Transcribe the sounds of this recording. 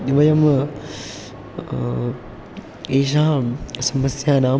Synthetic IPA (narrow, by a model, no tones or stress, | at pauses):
d̪iʋɐjɐm | eːʃ̬aːsɐmɐsjaːnaː